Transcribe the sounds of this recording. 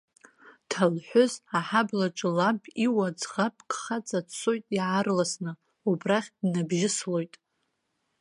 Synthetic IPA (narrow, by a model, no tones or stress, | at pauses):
tʰalħʷᶣʊzaħablaʈ͡ʂʼɨlapʼiwad͡zχapʼkχat͡sʼat͡sʷʰojtʼiʕarlasnɨ | ubraχʲdnabʒɪslo̞jtʼ